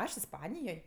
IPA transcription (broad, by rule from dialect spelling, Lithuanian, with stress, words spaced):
ˈɐʃ ɪsˈpɑːnʲɪjoːj